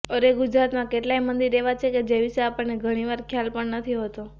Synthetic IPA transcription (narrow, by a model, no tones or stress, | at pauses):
əɾeɡʊd͡ʒɾat̪mãkeʈlajmənd̪iɾeʋat͡ʃʰeked͡ʒeʋiʃeapəɳːeɡʱəɽ̃iʋaɾkʰjalpəɳnət̪ʰiɦot̪o